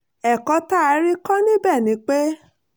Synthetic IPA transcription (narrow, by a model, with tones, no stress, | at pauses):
ɛ˨kɔ˨˧˦ta˦˧˦ɾi˦kɔ˦nĩ˦bɛ˦˨nĩ˨˧˦k͡pe˦